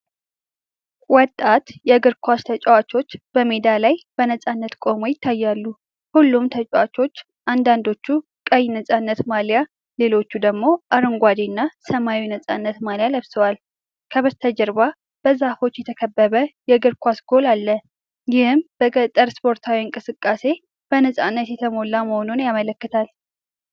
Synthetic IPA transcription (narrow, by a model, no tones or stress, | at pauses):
wɔt̪ʼːat̪jɛɡɨɾkʷʰwast̪ʰət͡ʃʼɛwat͡ʃo̞t͡ʃːb̥əmed̪alajb̥ənəsʼanːət̪kʼo̞mo̞jɪt̪ʰːajːalːu | hulːumt̪ʰət͡ʃʼɛwat͡ʃo̞t͡ʃː | ʔand̪and̪o̞t͡ʃːu | kʼəjnəsʼanːət̪malja | le̞lo̞t͡ʃːud̪əɡmo̞ʔaɾɨŋɡʷad̪enːasəmawinəsʼanːət̪maljaləβsəwal | kʰəβəzt̪ʰəd͡ʒəɾba | b̥əzafo̞t͡ʃːjɛt̪ʰəkʰəbːəβəjɛɡɨɾkʰʷasɡo̞lalːə | jɪhɨmbət̪ʼəɾspʰo̞ɾt̪ʰawiɨŋkʼɨsɨkʼːase̞ | b̥ənəsʼa̰nːət̪jɛt̪ʰəmo̞laməhononjamələkːət̪ʰal